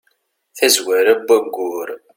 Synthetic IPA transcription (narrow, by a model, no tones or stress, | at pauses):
θæzwæɾæbːæɡːʊɾ